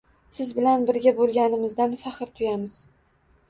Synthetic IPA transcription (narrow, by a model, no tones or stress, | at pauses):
sɪzbɪlanbɪɾɡʲabolˠɡʲanɪmɪzd̪anfɑχɨɾt̪ʰʊjamɪz